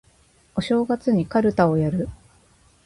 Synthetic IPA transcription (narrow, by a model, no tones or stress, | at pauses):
o̞ɕo̞ːɡat͡sɨɲ̟ikaɾɯ̟t̪ao̞jaɾɯ̟